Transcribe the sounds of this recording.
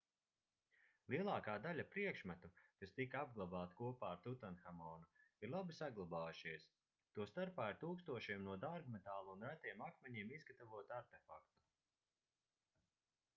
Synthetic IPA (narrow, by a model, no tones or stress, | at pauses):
lˠiɛlˠaːkaːd̪alʲapɾiɛkʃmat̪ukast̪ikaab̚ɡlˠabaːt̪kuɔpaːɾt̪ut̪anxamɔːnuiɾlˠabisaɡlˠabaːjuʃiɛs | t̪uɔst̪aɾpaːiɾt̪uːkst̪uɔʃiɛmnuɔd̪aɾɡmɛt̪aːlˠːnvæt̪iɛmakmɛɲiɛmizɡat̪avuɔt̪aɾt̪efakt̪u̥